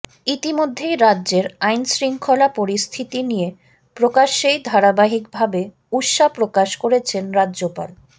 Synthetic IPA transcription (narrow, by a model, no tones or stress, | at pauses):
it̪imod̪ʱːejɾadːʑeɾajnsɾiŋkʰolapoɾist̪ʰit̪inije | pɾokaʃːejd̪ʱaɾabaɦik̚bʱabe | uʃapɾokaʃkoɾet͡ɕʰenɾadʑopa̰l